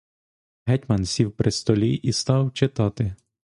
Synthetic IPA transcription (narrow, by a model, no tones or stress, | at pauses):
ɦɛtʲmɐnsʲiwpɾɪst̪ɔlʲiʔist̪ɑwt͡ʃɪt̪ɑt̪ɪ